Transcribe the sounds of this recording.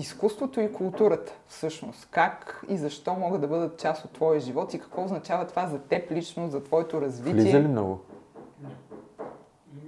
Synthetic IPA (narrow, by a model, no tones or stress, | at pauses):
iskust̪vot̪oikulˠt̪uɾət̪ə̥fsɤʃnost̪kakizɐʃt̪ɔmɔɡəd̪d̪ɐbɤd̪ət̪̚t͡ʃasot̪ːvɔjəʒivɔt̪ikɐ̥kvɔoznɐt͡ʃavət̪ovazɐt̪ɛplit͡ʃnozɐt̪vɔɛt̪oɾɐzvitliiɛɛlimnɔ̰ɡʊ